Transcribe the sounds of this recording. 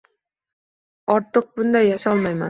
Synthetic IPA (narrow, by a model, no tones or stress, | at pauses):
ɒɾt̪ʰɤq̚bʊnd̪ajːaʃɒlˠmajman